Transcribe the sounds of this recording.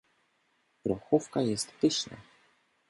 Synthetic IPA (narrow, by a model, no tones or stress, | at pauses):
ɾɔxufkajɛst̪pɘɕɲa̰